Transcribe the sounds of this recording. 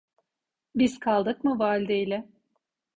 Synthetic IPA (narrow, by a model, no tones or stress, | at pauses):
biz̥kʰalˠd̪ɯkmɯvaːlʲd̪ejlʲɛ